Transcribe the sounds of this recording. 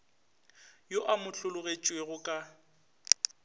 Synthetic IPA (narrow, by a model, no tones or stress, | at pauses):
joʔamʊɬʊlʊɣet͡ʃʼweɣʊkʼa